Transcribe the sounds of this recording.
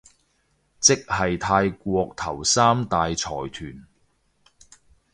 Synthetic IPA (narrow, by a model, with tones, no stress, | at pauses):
t͡sɪ˥k̚hɐ˨jt̪ʰaː˧jkʷɔː˧k̚t̪ʰɐ˨˩wsaː˥mt̪aː˨jt͡sʰɔː˨˩jt̪ʰyː˨˩n